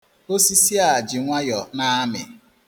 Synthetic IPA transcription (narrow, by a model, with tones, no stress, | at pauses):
o˦si˦si˦a˨d͡ʒɪ˨ŋʷa˦jɔ˨na˦mɪ̰˨